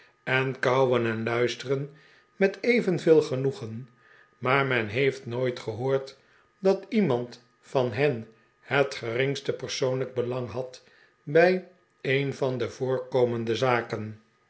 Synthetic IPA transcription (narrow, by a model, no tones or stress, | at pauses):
ɛnkɑwwənɛnlœɥstərən | mɛtejvənvɪːlˠχənuχən | maːɹmɛnɦejftnojtχəɦʊːɹt | dɑtimɑnt | fɑnɦɛn | hətχərɪŋstəpəɹsownləɡ̚bəlɑŋɦɑt | bɛj | ejnvɑndəv̥ʊːɹkowməndəzaːkən